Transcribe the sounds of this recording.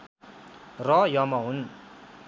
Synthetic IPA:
rʌjʌmʌɦun

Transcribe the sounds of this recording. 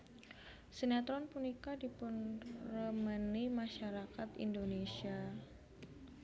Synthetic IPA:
sənat̪ɾɔnpunikadipʊnrəmənimaʃaɾakat̪ḭndonesia

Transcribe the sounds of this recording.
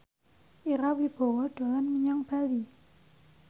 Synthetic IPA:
ʔiɾawib̥ɔ̤wɔɖ̪̥a̤lanməɲɔŋb̥ali

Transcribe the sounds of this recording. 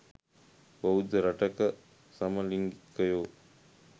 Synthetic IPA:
bɐɦud̪əɾɐʈəkə | sɐməliŋɡikːəjoː

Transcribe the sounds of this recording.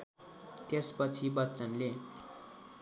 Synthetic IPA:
t̪espʌt͡sʰibʌtːt͡sʌnle

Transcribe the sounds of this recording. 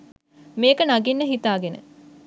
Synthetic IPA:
meːkənaɡinːəɦit̪aːɡenə̰

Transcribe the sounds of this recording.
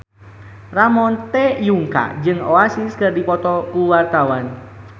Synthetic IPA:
ramɔnt̪ɛjuŋka̰ʔd͡ʒɨŋoasiskɨrdipɔt̪ɔkuwart̪awan

